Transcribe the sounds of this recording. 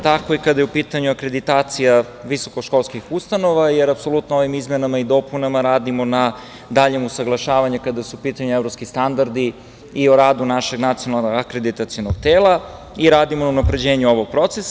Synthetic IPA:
t̪ako̞ikad̪ajeupiːt̪aɲuakɾe̞d̪it̪aːt̪sija | ʋiso̞koʃko̞lˠskixust̪ano̞ʋajeɾapso̞lˠut̪nooʋimizmenamaid̪o̞punamaɾaːd̪imo̞na | d̪aʎemusaɡlˠaʃaːʋaɲukad̪asuupiːt̪aɲuevɾo̞pskist̪and̪aɾd̪i | ioɾaːd̪unaʃe̞ɡnat̪sijonalˠnoɡakɾed̪it̪at̪sijonoɡ̚t̪eːlˠa | iɾaːd̪imonaunapɾe̞d͡ʑeːɲuo̞ʋoɡ̚pɾo̞t̪ses

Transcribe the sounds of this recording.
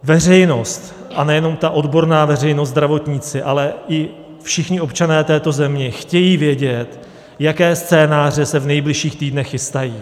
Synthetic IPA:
vɛr̝ɛjno̞st̪ | ʔanɛjɛno̞mt̪aʔo̞dbo̞ɾnaːvɛrɛjnost̪dɾavo̞t̪ɲiːt͡sɪʔalɛʔɪ | fʃɪxɲɪo̞pt͡ʃanɛːt̪ɛːt̪o̞zɛmɲɛxcɛjiːvɪjɛɟɛt̪ | jakɛːst͡sɛːnaːr̝ɛsɛvnɛjblɪʃiːxt̪iːdnɛxːɪst̪ajiː

